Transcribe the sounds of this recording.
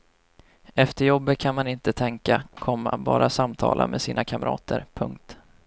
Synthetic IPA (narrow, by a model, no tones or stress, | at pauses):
ɛft̪əjɔbːət̪̚kʰanmanɪnt̪ət̪ʰɛŋkakʰɔmːabɑːɾʔasamt̪ʰɑ̰ːlʔamɛsiːnʔakʰamɾʔɑ̰ːt̪ʰəɾpʰɵŋk̚t̪